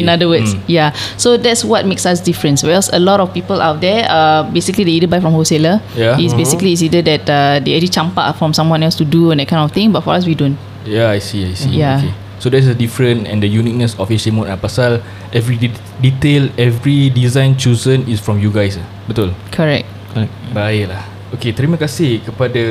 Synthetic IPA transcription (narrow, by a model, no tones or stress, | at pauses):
ĩnadəwəsjasodɛtswɔt̚meksasdifɹə̃nswɛlsəlɔɾɔfpipəlawt̚dɛabesiklideidəbajfɹɔ̃mhoseləjaisbesikliːs̬idədɛt̚adeɛd͡ʒlit͡ʃãmpa̰fɹɔ̃msãmwɔ̃nɛlstuduɛ̃ndɛt̚kãɪ̃nɔft̪ɪ̃ŋbatfɔɹas̬widõn | jaajsiajsḭjake | sodɛtsədifɹə̃nɛ̰̃ndəjunit̚nəsɔfesemõtapasal | ɛvɹii | ditelɛvɹidizãj̃nt͡ʃuzə̃nisfɹɔ̃mjuɡajsa | bit̪ulkʰəɹɛ̰k̚t̚ | kɔɛk̚bajlah | oket̪ɾiməkasikəpadə